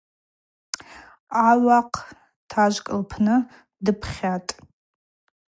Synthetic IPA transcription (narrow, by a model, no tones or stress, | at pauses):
aɥaqʰ | tʰaʒʷkʼɨlpʰnɨ | dɨpʰχʲatʼ